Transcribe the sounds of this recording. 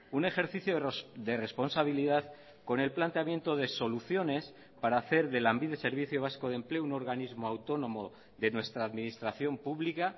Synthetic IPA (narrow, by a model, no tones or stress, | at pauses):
une̞xe̞ɾθiθjod̪ere̞spo̞nsaβ̞iliðað | ko̞ne̞lplant̪eamje̞nt̪o̞ðe̞so̞luθjo̞ne̞s | paɾaːθe̞ɾðe̞lambiðe̞se̞ɾβiθjo̞β̞asko̞ð̞e̞mple̞ouno̞ɾɣanizmo̞awt̪o̞nõ̞mo̞ | ðe̞nwe̞st̪ɾaːðminist̪ɾaθjo̞mpuβlika